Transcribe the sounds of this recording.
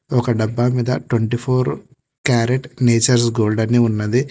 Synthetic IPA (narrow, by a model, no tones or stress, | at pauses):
ɔkɐɖɐbːaːmiːd̪ɐ̰ʈweɳʈipʰoːɾ | kaːɾeʈneːt͡ʃɐɾs̬ɡoːlɖɐnːiːunːɐd̪i